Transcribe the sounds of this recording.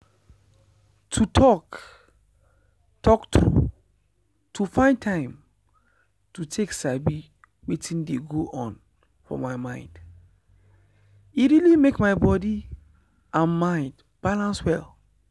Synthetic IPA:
tʰutʰɔk | tʰɔktɹṵ | tʰufãɪ̃ntʰãɪ̃m | tutʰeksabi | wetĩndeɡoʔɔ̃n | fɔ̰maɪmãɪ̃nd̥ | iɹilimekmaɪbɔdi | ãnmãɪ̃nd | b̥alãnswɛl

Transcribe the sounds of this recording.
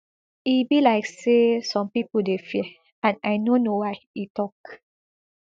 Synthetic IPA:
ibilaɪksesɔ̃mpipədefi | ãnajnonowaɪitɔk

